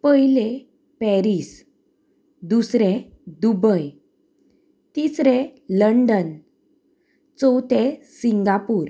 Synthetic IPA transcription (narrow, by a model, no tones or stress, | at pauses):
pəɦjile | pɛɾis | d̪usɾẽ | d̪ubəj | t̪isɾẽləɳɖən | t͡sɔwt̪ʰẽsiŋɡapuːɾ